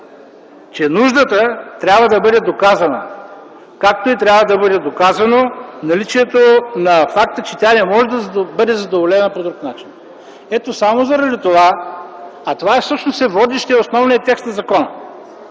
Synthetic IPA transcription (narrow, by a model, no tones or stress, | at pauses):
t͡ʃɛnuʒd̪ət̪ət̪ɾʲabvəd̪ɐbɤd̪ɛd̪okazɐnə̰ | kak̚t̪oit̪ɾʲabvɐd̪ɐbɤd̪ɛd̪okazɐnonɐlit͡ʃiɛt̪onɐfak̚t̪ət͡ʃɛt̪ʲanɛmɔʒɛd̪ɐbɤd̪ɛzɐd̪ovolɛnəpod̪ɾuknat͡ʃi̥n | ɛt̪osamozɐɾɐd̪it̪ova | ɐt̪ovaɛfsɤpʃnosɛvɔd̪ɛʃt̪iɛosnɔvnijɐt̪ɛkst̪nɐzɐkɔnɐ̰